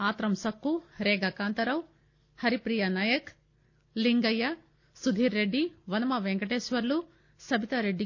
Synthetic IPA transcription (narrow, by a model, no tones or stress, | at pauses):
aːt̪ɾɐmsɐkːuɾeːɡɐkaːnt̪ɐɾɐw | hɐɾipɾijɐnaːjɐk | liŋɡɐjɐ | sud̪ʱiːɾːeɖːiʋɐnɐmɐʋeŋɡɐʈeːsʋɐɾlu | sɐbʱit̪ɐɾeɖːi